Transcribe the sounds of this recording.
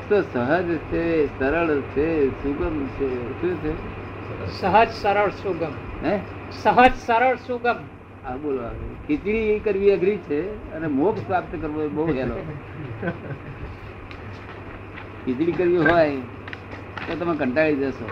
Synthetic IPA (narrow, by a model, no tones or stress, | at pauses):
t̪osəɦəd͡ʒt͡ʃʰesəɾəɭt͡ʃʰesuɡəmt͡ʃʰeʃũt͡ʃʰe | səɦəd͡ʒsəɾəɭsuɡəmɦe | səɦəd͡ʒsəɾəɭsuɡəm | abolʋa̰kit̪ɭikəɾʋiəɡʱɾit͡ʃʰeənemoksʋap̚t̪əkəɾʋobəuɦelo | kit̪ɭikəɾʋiɦoaj | t̪ot̪əmekəɳʈaɭid͡ʒəso